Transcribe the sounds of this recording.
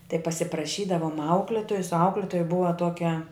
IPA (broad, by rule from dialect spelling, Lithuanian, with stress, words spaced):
tɐɪ pɐsʲɪprɐˈʃʲiːdɐʋʊm ˈɐʊklʲɛtoːjʊs ˈɐʊklʲɪtoːjɛ ˈbʊʋɐ ˈtoːkʲɛ